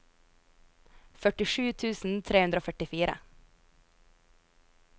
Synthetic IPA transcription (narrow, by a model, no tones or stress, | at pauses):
fœʈɪʃʉːt̪ʰʉːsn̩t̪ʰɾeːhʉnd̪ɾoːfœʈɪfiːɾʔə̰